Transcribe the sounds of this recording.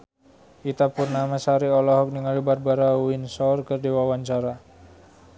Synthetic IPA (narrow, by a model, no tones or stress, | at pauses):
ʔit̪apʊrnamasaɾiɔlɔɦɔk̚niŋalibar̚baɾauinsɔrkərdiwawaɲt͡ʃaɾa